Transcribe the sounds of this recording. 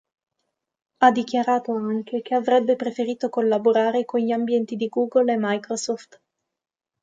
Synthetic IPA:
ad̪ːik̟jaɾaːt̪oaŋkekeavɾɛbːepɾefeɾiːt̪okolːaboɾaːɾekonʎiambjɛnt̪id̪iɡuːɡolemːajkɾosɔft̪

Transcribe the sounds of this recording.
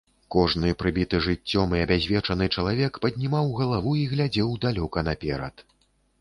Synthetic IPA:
kɔʐnɨpɾɨbʲit̪ɨʐɨt͡sʲːɔmɨɐbʲazʲvʲɛt͡ʂɐnɨt͡ʂɐlˠavʲɛkpɐd̪ʲnʲimawɣɐlˠavuiɣlʲad͡zʲɛwd̪alʲɔkɐnɐpʲɛɾɐ̰t̪

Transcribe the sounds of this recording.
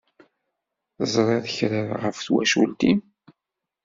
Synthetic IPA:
θzˤɾˤeðəçɾəɾʁəfθwæ̰ʃult̪im

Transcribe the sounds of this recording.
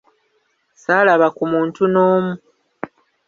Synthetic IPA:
saːlaβakumuːntunoːmu

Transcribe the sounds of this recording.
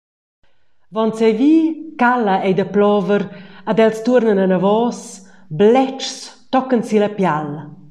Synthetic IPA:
vɔnsɛjviːkaləɛjd̪əplɔvəɾad̪ɛlst̪urnənanavɔs | blɛt͡ʃst̪ɔkənsilapjal

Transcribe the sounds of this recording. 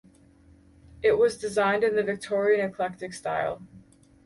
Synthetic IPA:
ɪʔ̚wʌzdɨzãɪ̃ndɨ̃nðɨvɨk̚tʰɔɹiɨ̃nɨkʰl̥ɛk̚tɨkstaɪlˠ

